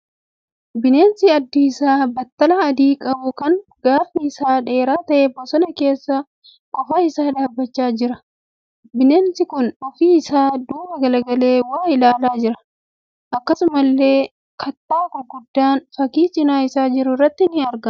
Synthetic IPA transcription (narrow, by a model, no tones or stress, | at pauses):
bɪneːnsɪɐd̪ːɪɪsaːbɐt̪ːɐlaːɐd̪iːkʼɐbʊkɐŋɡaːfiɪsaːᶑe̞ːɾaːt̪ɐʔːbɔsɔnɐke̞ːsːɐ | kʼɔfaːɪsaːᶑ̪aːbːɐt͡ʃːaːd͡ʒɪɾɐ | bɪneːnsɪkʊnɔfiːɪsaːd̪uːbɐɡɐlɐɡɐle̞ːwaːɪlaːlaːd͡ʒɪɾɐ̥ | ʔɐkːɐsʊmɐlːe̞ː | kʰɐt̪ːaːkʊɡʊd̪ːaːnfɐkiːt͡ʃʼɪnaːɪsaːd͡ʒɪɾʊrːɐt̪ːɪnɪɐɾɡɐ